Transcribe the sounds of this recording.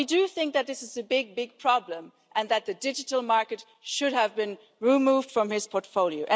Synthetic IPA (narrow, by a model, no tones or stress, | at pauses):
idɨθɪ̃ŋk̚ðɨt̪̚ðɪsɨzɨbɪɡ̚bɪɡ̚pʰɹ̥ɑblə̃m | ʔɨ̃nðɨt̪̚ðɨdɪd͡ʒɨtl̩ˠmɑɹkɨt | ʃʊɾɨvbɨ̃n | ɹimuvd̥fɹʌ̃mɪz̥pʰɔɹtfoʊlˠioʊʔɨ̃